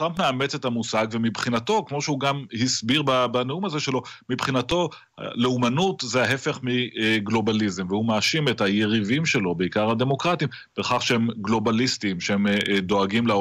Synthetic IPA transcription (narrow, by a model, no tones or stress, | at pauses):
t̪ʁampmeamet͡sethamusaɡvemibχinato̞kmo̞ʃeuɡamhisbiʁbabaneumaze̞ʃelo̞mibχinato̞ | ha̰leumanutzeaɦe̞fe̞χmiɡlo̞balizemvehumaːʃimethaje̞ʁivimʃe̞lo̞be̞ikaʁhad̪e̞mo̞kʁatim | b̥eχaχʃehemɡlo̞balistimʃeemd̪o̞aɡimla